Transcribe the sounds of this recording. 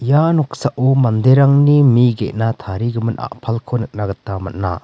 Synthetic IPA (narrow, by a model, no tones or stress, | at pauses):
janɔk̚saʔumand̪eɾaŋnimiɡeʔnat̪ʰaɾiɡɯmɯnʔa̰ʔpʰalkʰonɯk̚naɡɐt̪ːamɐt̚na̰